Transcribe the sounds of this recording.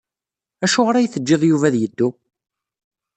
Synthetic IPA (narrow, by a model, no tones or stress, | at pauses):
æʃʊʁɾæjθəd͡ʒːeðˤjuvæðjəd̪ːu